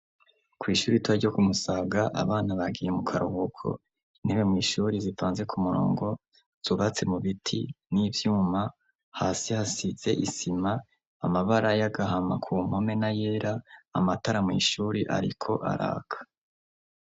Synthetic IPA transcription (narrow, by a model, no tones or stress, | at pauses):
kwiːʃuːɾituaɾɟo̞kumusaːɡaʔa̰βaːnaβaɡijemukʰaɾuhokʰo̞̰ | niβemŋiːʃuːɾizifaːnze̞kʰumuɾo̰ːŋɡo̞ | z̥uβat͡se̞muβitʰḭniːvjuːma | haːsihasize̞ʔisimaː | maβaɾajaɡaɦamakʰuːm̥ho̞me̞naje̞ːɾaːmataɾamŋḭːʃuːɾiʔa̰ɾikʰo̞ʔa̰ɾa̰ːkʰḁ